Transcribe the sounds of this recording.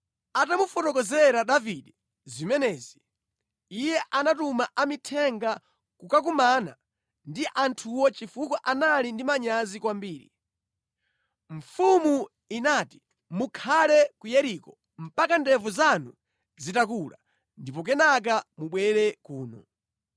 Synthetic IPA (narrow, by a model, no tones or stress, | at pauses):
atamufɔtɔkɔzɛɾaɗaviɗɛ | zimɛnɛːziː | jɛʔanatumaʔamitʰɛŋɡa | kukak̬umana̰ | ndiʔantʰuwɔt͡ʃifukɔʔanalindimaɲazikwambiːɾḭ | ɱ̩fumu | inaːti̥ | mukʰalɛkujɛɾikɔ | m̩pakandɛvuzanu | zitakula̰ | ndipɔk̬ɛnak̬amuɓwɛɾɛkuːnɔ̰